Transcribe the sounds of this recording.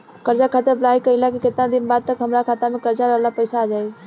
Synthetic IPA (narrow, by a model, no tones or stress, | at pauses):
kəɾd͡ʒakʰaːt̪eblaːikəɦilakikɪt̪nad̪ɪnbaːd̪̚t̪əkɦəmɾakʰaːt̪amẽkəɾd͡ʒaɾəɦlapəɪsaːd͡ʒaːi